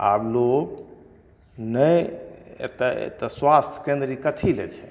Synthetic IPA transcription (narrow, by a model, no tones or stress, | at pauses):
a̰bloɡ | nəj̰ | t̪t̪əswast̪ʰkẽnd̪ɾikət̪ʰilḛt͡ʃʰɛ̥